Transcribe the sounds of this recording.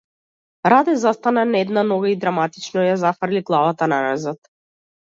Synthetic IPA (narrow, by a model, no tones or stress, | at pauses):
ɾad̪ɛzast̪ananɛd̪nanɔɡaid̪ɾamat̪it͡ʃnɔjazafɾliɡlˠavat̪anaɾazat̪